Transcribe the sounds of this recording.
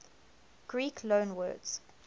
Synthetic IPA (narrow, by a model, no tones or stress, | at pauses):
ɡ̥ɹiːkʰlõnwɜ̰ːdz̥